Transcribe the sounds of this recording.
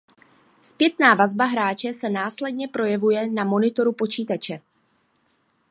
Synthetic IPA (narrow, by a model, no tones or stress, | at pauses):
spjɛt̪naːvazbaɦɾaːt͡ʃɛsɛnaːslɛdɲɛpɾo̞jɛvujɛnamo̞nɪt̪o̞ɾupo̞t͡ʃiːt̪at͡ʃɛ